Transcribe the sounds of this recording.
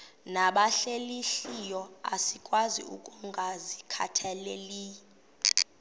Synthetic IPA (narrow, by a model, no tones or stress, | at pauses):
naɓaɬeliɬijɔa̰sikʼwazḭṵkʼuŋɡʱazikʰa̰tʰɛleli